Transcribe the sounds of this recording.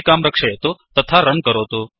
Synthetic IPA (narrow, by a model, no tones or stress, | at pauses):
kamɾəkʂəjet̪ot̪ət̪ʰaɾənkəɾot̪o